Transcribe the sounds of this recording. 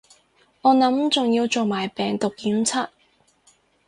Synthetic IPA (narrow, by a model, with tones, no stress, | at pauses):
ŋɔː˨˧nɐ˨˥mt͡sʊ˨ŋjiː˧wt͡so˨wmaː˨˩jpɛː˨ŋt̪ʊ˨k̚jiː˨˥mt͡sʰaː˥t̚